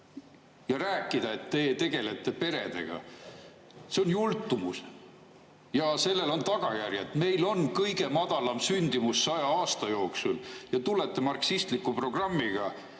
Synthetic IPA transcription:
jɑɾæːkːˑid̪̥ɑe̞t̪ːe̞ːt̪e̞ɡ̥e̞le̞t̪ːˑe̞pe̞ɾe̞̰d̪̥e̞̰ɡ̥ɑ̰ | se̞o̞njult̪ːˑumus | jɑse̞lːe̞lo̞nt̪ɑɡ̥ɑjærjɑt̪me̞jlo̞nkɤjɡe̞mɑd̪̥ɑlɑmsynʲd̪̥imusːɑjɑɑːst̪ɑjo̞ːksuljɑt̪ule̞t̪ːˑe̞mɑrksist̪likːˑupro̞ɡ̥rɑmːiɡ̥ɑ

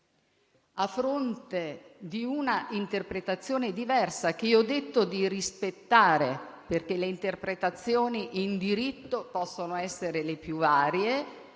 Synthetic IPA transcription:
afːɾont̪ed̪iunaʔint̪erpɾet̪at̪sːjoːned̪ivɛrsak̟eiɔd̪ːet̪ːod̪irispet̪ːaːɾeperkeleint̪erpɾet̪at̪sːjoːniʔind̪iɾit̪ːopɔsːonoɛsːeɾelepjuvaːɾje

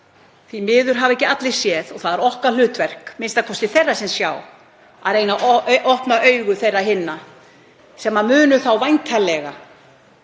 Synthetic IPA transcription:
θimɪːðʏɾ̥ɦavɛhcɪat̪lɪ̥sjɛðɔɣθaðaɾɔhkal̥ʏːt̪vɛr̥kmɪnst̪aðkʰɔst̪ɪθerːasɛmsjaːw | a̰ðɾeːjnaʔɔhpnaʔœːɥɣʏθejrːaɦɪnːa | sɛmːamʏːnʏθawvajnt̪ʰalɛɣa̰

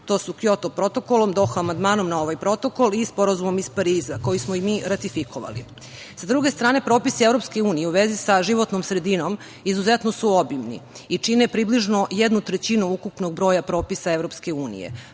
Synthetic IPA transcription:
t̪o̞ːsukjot̪opɾo̞t̪o̞kolo̞md̪o̞xoamand̪maːnomnao̞ʋajpɾo̞t̪o̞kolispo̞ɾazumomispaɾiːzako̞jismoimiːɾat̪ifikʰoʋa̰lḭ | sad̪ɾuɡe̞st̪ɾaːne̞pɾo̞ːpisievɾopske̞uːnijeuʋezisaʒiʋo̞t̪nomsɾe̞d̪ino̞m | izuzet̪nosuobimnḭit͡ʂinepɾibliʒno̞jed̪nut̪ɾet͡ɕinuukupno̞ɡ̚bɾoːjapɾo̞ːpisaeʋɾo̞pske̞uːnḭjḛ

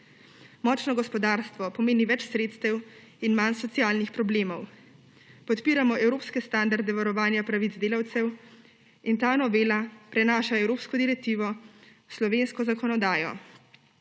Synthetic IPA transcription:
mɔːt͡ʃnɔɡɔspɔd̪aːɾst̪ʋɔpɔmeːniʋɛt͡ʃsɾeːt̪st̪ɛw | inmansɔt̪siaːlnixpɾɔbleːmɔw | pɔt̪piːɾamɔʔɛwɾoːpskɛst̪and̪aɾd̪ɛʋaɾɔʋaːnjapɾaʋid̪zd̪eːlawt̪sɛw | int̪anɔʋeːlapɾɛnaːʃaɛwɾoːpskɔd̪iɾɛk̚t̪iːʋɔ | slɔʋeːnskɔzakɔnɔd̪aːjɔ̰

